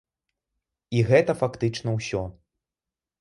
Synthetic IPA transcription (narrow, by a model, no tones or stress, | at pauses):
iɣɛt̪ɐfakt̪ɨt͡ʂnɐwsʲɔ